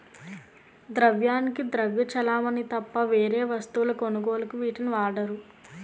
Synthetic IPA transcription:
d̪ɾɐʋjaːnikid̪ɾɐʋjɐt͡ʃɐlaːmɐnit̪ɐpːɐʋeːɾeːʋɐst̪uʋulɐkonuɡoːlɐkuʋiːʈiniʋaːɖɐɾu

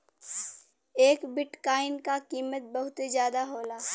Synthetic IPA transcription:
eːkbɪʈkaːɪnkakiːmət̪̚bɐɦʊt̪ezjaːd̪aɦoːlaː

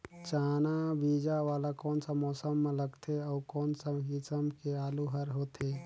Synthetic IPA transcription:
t͡ʃaːnabid͡ʒaʋaːlakɔːnsamɔːsəmːẽləɡt̪ʰeəukɔːnsaɦisəmkealuɦəɾɦot̪ʰe

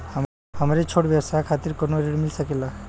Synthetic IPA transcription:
hə | həmɾet͡ʃʰoɽbjəwsakʰat̪iɾkonoɾeɽmilsəkela

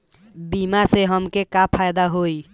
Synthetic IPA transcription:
bimaseɦəmkekapʰajd̪aɦoi

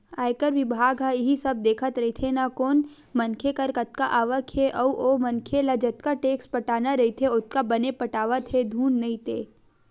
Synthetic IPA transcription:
aːjkəɾʋɪbʱaːɡɦaɪɦisɐb̚d̪eːkʰət̪ɾɐɦit̪ʰenakoːn | mɐnkʰekɐɾkɐt̪̚kaʔaːʋəkʰeʔɐuʔomɐnkʰelɐd͡ʒət̪kaʈeːkspɐʈaːnaɾɐɦit̪ʰeʊt̪̚kabɐnepɐʈaːʋət̪ʰɦed̪ʱuːnːɐĩt̪ḛː

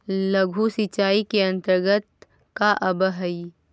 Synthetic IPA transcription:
lɐɡʱusit͡ʃaːikeɐ̃nt̪əɾɡət̪̚ | kaʔɐbəɦɐi

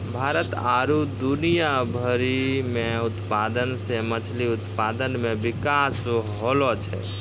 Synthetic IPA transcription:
bʱaɾət̪aɾud̪unijabʱəɾimẽut̪pad̪ənsemət͡ʃʰliut̪pad̪ənmebikasɦolɔt͡ʃʰɛ̰

